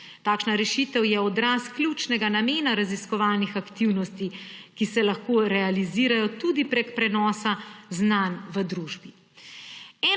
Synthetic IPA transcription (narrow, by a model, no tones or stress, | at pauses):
t̪aːkʃnaɾɛʃit̪ɛwjɛɔd̪ɾaːskljut͡ʃnɛɡanameːnaɾaziskɔʋaːlnixakt̪iwnɔst̪ikisɛlaxkoɾɛaliziːɾajɔt̪ud̪ipɾɛkpɾɛnɔːsaznanʋəd̪ɾuːʒbi | ɛː